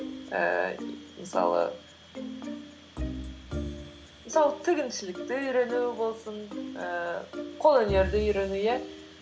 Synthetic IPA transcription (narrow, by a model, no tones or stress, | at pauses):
ə̰məsɑ̰lˠə̰ | məsɑlˠət̪ʰɪɡʲɪnʃɪlɪk̚t̪ɪʏjɾe̞nubo̞lˠsənəqʰo̞lˠɵne̞ɾd̪ɪʏjɾe̞nujæ